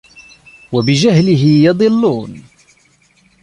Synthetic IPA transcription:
wabɪd͡ʒahlɪɦɪjɑd̪ˤɨlːuːn

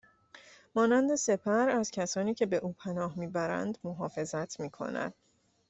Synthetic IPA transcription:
mɒːnænd̪e̞se̞pʰæɾæzcʰæsɒːniːcʰe̞be̞ʔuːpʰænɒːhmiːbæɾæ̰nd̪moɦɒːfe̞zæt̪ʰmiːkʰo̞̰næ̰nd̪̥

